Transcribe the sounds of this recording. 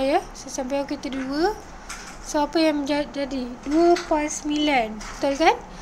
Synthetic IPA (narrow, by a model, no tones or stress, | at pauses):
jasasampaokit̪əduə | soapəjaŋməɲd͡ʒad͡ʒadiduəpansmĩlant̪alkan